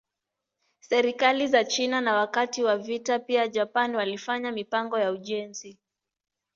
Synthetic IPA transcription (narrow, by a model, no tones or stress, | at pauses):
sɛɾikalizat͡ʃinanawakatiwavitapiad͡ʒapanwalifaɲamipaŋɡɔjauʄɛnzi